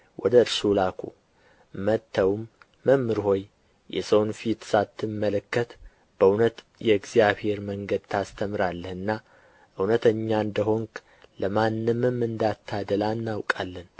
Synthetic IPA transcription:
wʔɔd̪əɾsulakʰṵ | mət̪ʰːəwmː | əmːɨɾho̞j | jɛ̰səwnfit̪sat̪ʰːɨmːələkːət̪ | b̥əunət̪ | jɛɨɡzijaβhe̞ɾməŋɡəd̪t̪ʰast̪ʰəmɨɾalːəhɨnːa | ʔɨwnət̪ʰəɲːand̪əɦo̞ŋk | ləmanːɨmɨmɨnd̪at̪ʰːad̪əlanːawkʼalːən

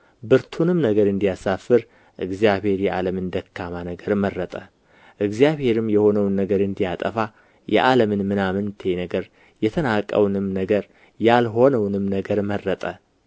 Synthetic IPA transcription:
bɨɾt̪ʰunɨmnəɡəɾɨnd̪ijasafɨɾ | ʔɨɡzijaβhe̞ɾjɛʔaləmɨnd̪əkʰːamanəɡəɾmərːət̪ʼə | ʔɨɡzijaβhe̞ɾɨmːjɛho̞nəwnːəɡəɾɨnd̪ijat̪ʼəfa | jɛ̰ʔaləmɨnmɨnamɨnt̪ʰe̞nəɡəɾ | jɛt̪ʰənakʼə̰wnɨmnəɡəɾ | jalɦo̞nəwnɨmnəɡəɾmərːət̪ʼə

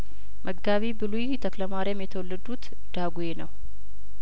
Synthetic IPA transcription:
mʔəɡːaβibɨlujt̪ʰəkləmaɾiamjɛt̪ʰəwɔlːəd̪ut̪ | d̪̥aɡujenəw

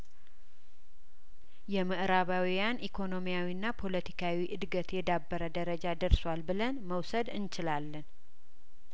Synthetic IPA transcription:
jɛməʔɾaβawijanikʰo̞no̞mijawinːapʰo̞lət̪ʰi̥kʰawiʔɨd̪ɡət̪jɛd̪abːəɾəd̪əɾəd͡ʒad̪əɾswalbɨlənməwsəd̪ɨnt͡ʃɪlalːən

